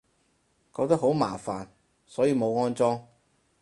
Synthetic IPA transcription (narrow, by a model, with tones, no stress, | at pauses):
kɔː˧k̚t̪ɐ˥ɦo˨˥wma̰ː˨˩faː˨n | sɔː˨˥jiː˧mo˨˧wŋɔː˥nt͡sɔː˥ŋ